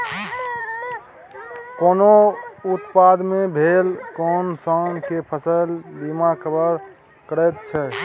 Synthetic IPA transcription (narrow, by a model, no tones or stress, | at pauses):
koːnout̪pad̪mẽbʱeːlkɔːnsankepʰəsəlbimakʰəbəɾ | kəɾɛt̪t͡ʃʰɛ